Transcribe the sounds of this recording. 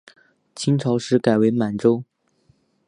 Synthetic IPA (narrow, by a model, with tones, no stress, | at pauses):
t͡ɕʰi˥ŋʈ͡ʂʰɑ˧˥ʊʂɻ̩˧˥ka˨˩ɪwe˧˥ɪma˨˩nʈ͡ʂo˥ʊ